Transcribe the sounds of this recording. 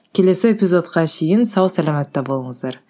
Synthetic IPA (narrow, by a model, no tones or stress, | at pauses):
kʲʰe̞le̞sɪepʲizo̞t̪qɑʃʰejɪnsɑwsælɑmæt̪ːɑbo̞lˠəɴəzd̪ɑɾ